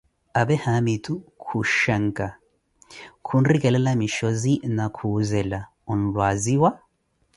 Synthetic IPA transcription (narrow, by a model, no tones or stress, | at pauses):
abɛhamitukʰuʃaŋ̩kʼa | kʰun̩rikʼɛlɛlamiʃɔzinakʰuzɛla | un̩lwaziwa